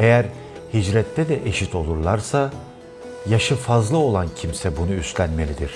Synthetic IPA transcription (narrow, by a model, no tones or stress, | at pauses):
e̞jæɾ | hid͡ʒɾɛt̪ʰːɛd̪ɛʔe̞ʃit̪ʰo̞lˠuɾlˠaɾsa | jaʃɯfazlˠɯo̞lˠancʰimsɛbunuyst̪lʲænme̞lʲid̪iɾ̥